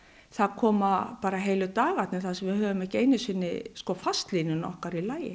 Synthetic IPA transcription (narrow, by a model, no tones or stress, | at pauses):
θaðkʰɔːmapaːɾaɦeːjlʏt̪aːɣat̪nɪθasɛmvɪðhœːvʏmɛhcɪejnɪsɪnːɪskɔfast̪liːnʏnɔ̰hkaɾilaːjɪ̰